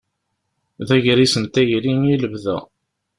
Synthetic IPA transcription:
ðæʝɾisənt̪æjɾiniləvðæ̰

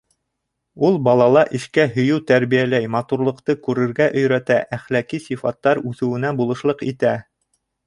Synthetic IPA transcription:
ulˠbɑlˠɑlˠɑʔɘ̆ʃkæɦɵ̆jɵwt̪æɾβijælæjmɑt̪uɾlˠɤ̆qt̪ɤkʉɾɘ̆ɾɡæʔɵ̆jɾæt̪æʔæχlækisifɑt̪ːɑɾʉθɘ̆wɘ̆næbulˠɤ̆ʃlˠɤqit̪æ

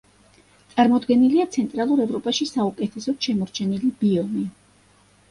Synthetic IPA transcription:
t̪sʼaɾmɔd̪ɡɛniliat̪sʰɛnt̪ʼɾalˠuɾɛvɾɔpʼaʃisaukʼɛt̪ʰɛsɔd̪̥ʃɛmɔɾt͡ʃʰɛnilib̥iɔni

